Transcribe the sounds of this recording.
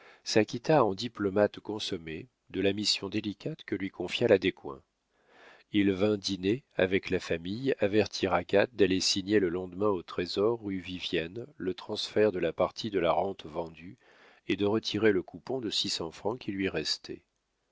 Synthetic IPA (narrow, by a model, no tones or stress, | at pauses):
sakʲit̪aɑ̃d̪iplɔmat̪kɔ̃sɔme | d̪əlamisjɔ̃d̪elikʲat̪kəlɥikʰɔ̃fjalad̪ekwɛ̰̃ | ilvɛ̃d̪ineavɛklafamijavɛʁt̪ʰiʁaɡat̪̚d̪alesiɲeləlɑ̃d̪mɛ̃ot̪χezɔʁːyvivjɛnlət̪χɑ̃sfɛʁd̪əlapaʁt̪ʰid̪əlaʁɑ̃t̪vɑ̃d̪y | ed̪əʁət̪ʰiʁeləkupɔ̃d̪əsisɑ̃fχɑ̃kʲilɥiʁɛst̪ʰɛ̰